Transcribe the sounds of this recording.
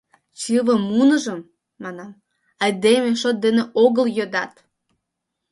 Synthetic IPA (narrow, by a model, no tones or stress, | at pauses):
t͡ɕɨvəmːunəʒəmː | ɑnɑm | ɑjd̪emeʃot̪̚d̪eneʔoɣəljød̪ɑt̪